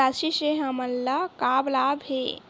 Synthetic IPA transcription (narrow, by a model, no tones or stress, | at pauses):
asiseɦəməlːakaːblaːbɦḛ